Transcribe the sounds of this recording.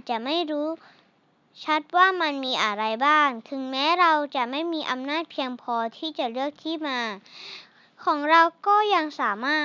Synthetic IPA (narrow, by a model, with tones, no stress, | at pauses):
t͡ɕa˨˩ma˥˩jɾuː˦˥ | t͡ɕʰa˦˥t̪̚waː˥˩ma˧nmiː˧ʔa˧ɾa˧jbaː˥˩ŋt̪ʰɯ˨˩˦ŋmɛː˦˥ɾa˧wt͡ɕa˨˩ma˥˩jmiː˧ʔa˧mnaː˥˩t̪̚pʰi˧əŋpʰɔː˧t̪ʰiː˥˩t͡ɕa˨˩lɯ˥˩ək̚t̪ʰiː˥˩˨maː˧ | kʰɔː˩˦ŋɾa˧wkɔː˥˩ja˧ŋsaː˩˦maː˥˩